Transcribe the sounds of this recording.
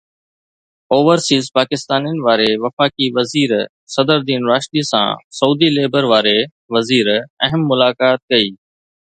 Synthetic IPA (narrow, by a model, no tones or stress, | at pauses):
oːʋəɾsiːzpaːkɪst̪aːnijənɪ̆ʋaːɾeʋɐfaːkiʋɐziːɾ | sɐd̪əɾd̪iːnɾaːʃt̪iːsã̰ːsɐuːd̪ileːbəɾʋaːɾe | ʋɐziːɾɐɦəmːʊlaːkaːt̪̚kɐiː